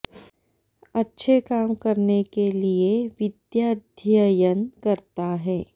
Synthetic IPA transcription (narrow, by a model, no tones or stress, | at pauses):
ɐtːʃʰekaːmkɐɾnekelieʋɪd̪jaːd̪ʱjəjənkɐɾt̪aɦɛː